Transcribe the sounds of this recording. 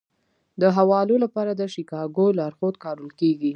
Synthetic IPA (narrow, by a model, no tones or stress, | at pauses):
d̪əɦawɑlolapɑɾad̪əʃikɑɡolɑɾxot̪̚kɑɾəlkeɡi